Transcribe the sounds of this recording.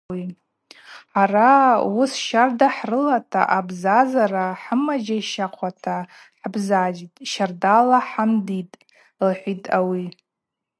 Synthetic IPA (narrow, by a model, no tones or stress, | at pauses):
i | ħarausʃardaħrɨlatʰa̰ʔabzazaɾaħəmad͡ʒaiʃaqʷʰatʰa | ħbzad͡ʒitʼʃardalaħamditʼ | lħʷitʼawi